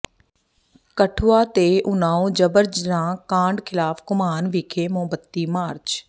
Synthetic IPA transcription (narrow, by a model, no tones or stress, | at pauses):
kəʈʰuaːt̪eːʔʊnaːõːd͡ʒəbəɾd͡ʒɾãːkãːɳɖkʰɪlaːfkʊmaːnʋɪkʰeːmõːbət̪ːiːmaːɾt͡ʃ